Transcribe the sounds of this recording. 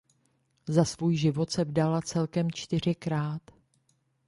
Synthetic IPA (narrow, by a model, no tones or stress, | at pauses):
zasvuːjʒɪvo̞t̪sɛvdalat͡sɛlkɛmt͡ʃt̪ɪr̝ɪkɾaːt̪